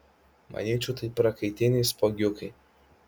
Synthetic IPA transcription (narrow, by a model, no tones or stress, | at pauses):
mʔɐ̰nʲiːt͡ʃʲut̪ɐɪpɾɐkɐɪt̪ʲɪnʲiːspoɡʲʊkɐj